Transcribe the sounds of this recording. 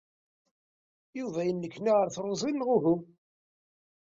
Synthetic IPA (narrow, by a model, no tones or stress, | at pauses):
juvæjənːəkːnaʁəɾθɾˤozˤinːʁʊɦʊm